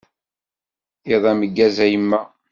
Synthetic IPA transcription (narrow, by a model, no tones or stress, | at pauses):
iðˤæməɡːæzæjəmːæ